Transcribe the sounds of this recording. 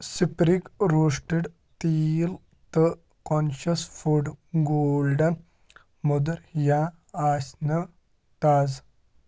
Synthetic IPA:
sipɾikɾoːʂʈiɖ | t̪iːl | t̪ə | konʃɐsfuɖɡoːlɖɐn | mud̪ɐɾjaː | aːsʲnɐ | t̪aːz

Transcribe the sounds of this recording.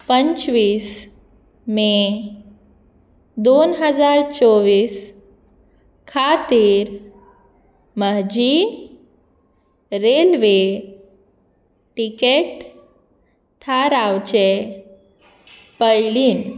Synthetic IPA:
pəɲt͡ɕʋiːs | me | d̪onɦəd͡zaɾt͡soʋiːs | kʰat̪iːɾ | məɦd͡ʑi | ɾelʋe | ʈikeʈ | t̪ʰaɾawt͡ɕe | pəjliːn

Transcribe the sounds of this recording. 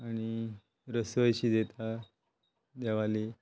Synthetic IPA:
aɽ̃i | ɾəsʋəjɕiːd̪et̪ʰa | d̪ɛʋali

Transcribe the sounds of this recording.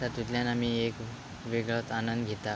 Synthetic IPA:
t̪əɾt̪it̪ljanam̤iek | ʋeɡɭot̪anənd̪ɡʱet̪a

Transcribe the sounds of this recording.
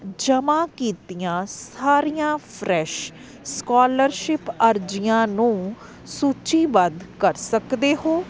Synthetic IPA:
d͡ʒəmaːkiːt̪ɪjãːsaːɾijãːpʰɾɛːʃ | skaːləɾʃɪpəɾd͡ʒɪjãːnũː | suːt͡ʃiːbəd̪kəɾsəkd̪eːɦoː

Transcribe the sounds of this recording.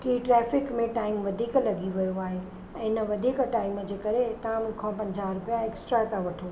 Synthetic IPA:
kiʈɾɛːfɪkmẽʈaːɪmʋɐd̪ʱiːklɐɠiʋijoaːɦe | ɛ̃ːɪnəʋɐd̪ʱiːkʈaːɪmd͡ʑeːkɐɾet̪ɐãmʊ̃kʰãpɐ̃ɲd͡ʑaːɾʊpijaeksʈɾat̪ãʋɐʈʰo

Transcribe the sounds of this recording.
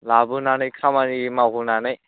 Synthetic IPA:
labɯnanɐjkʰamanimaɦunanaj

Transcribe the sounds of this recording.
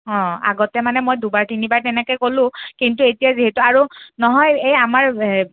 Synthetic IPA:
ɔ̃a̰ɡɔtɛmanɛmojdubaɹtinibaɹtɛnɛkɔjkolʊ̃kintuetijaziɦɛtuaɹunɔɦɔjejamaɹ

